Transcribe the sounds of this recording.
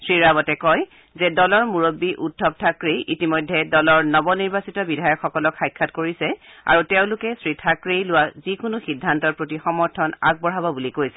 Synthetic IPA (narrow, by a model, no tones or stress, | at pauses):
sɹiɹabɔtɛkɔj | zɛdɔlɔɹmuɹobːiʔutʰːɔp̚tʰakɹiʔitimojdʱːɛdɔlɔɹnɔbɔniɹbasitɔbidʱajɔkxɔkɔlɔkxajkʰːatkoɹisɛa̰ɹutɛʊ̃lʊkɛsɹitʰakɹijlʊwazikʊnʊxidʱːantɔɹpɹotixɔmɔɹtʰɔna̰ɡ̚bɔɹɦabɔbulikojsɛ̥